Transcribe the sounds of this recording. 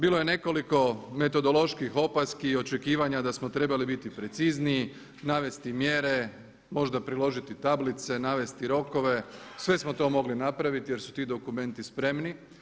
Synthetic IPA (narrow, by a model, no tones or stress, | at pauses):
biːlˠo̞je̞ne̞ko̞liko̞me̞t̪o̞d̪o̞lˠo̞ʃkixo̞paskio̞t͡ʃekiːʋaɲad̪asmo̞t̪ɾe̞balibit̪ipɾe̞t̪sizniji | naʋe̞st̪imje̞ɾe̞ | mo̞ʒd̪apɾilo̞ʒit̪it̪ablit̪se̞naːʋe̞st̪iɾo̞ko̞ʋe̞sʋe̞smo̞t̪o̞mo̞ɡlinapɾaʋit̪ije̞ɾsu̥t̪iːd̪o̞kume̞nt̪ispɾe̞mni